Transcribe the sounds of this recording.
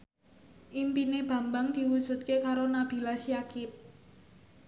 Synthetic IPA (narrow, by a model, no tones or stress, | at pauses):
ʔimpineb̥ä̤mbaŋd̪̥i̤wud̥ʒ̥ṳt̪̚kekaɾonab̥i̤lasiakɪp̚